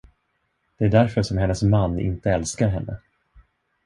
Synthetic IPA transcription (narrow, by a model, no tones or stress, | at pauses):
d̪̥ɛæɖæɾfœʂɔmhɛnːəsmanːɪ̰nt̪əɛlskaɾɦɛnːə̰